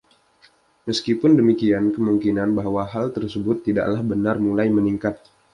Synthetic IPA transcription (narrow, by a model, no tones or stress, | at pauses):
məskipʊndəmikiankəmuŋkinanbaɦwaɦalt̪ərsəbʊt̪ːida̰ʔlahbənarmulajməniŋkat̪̚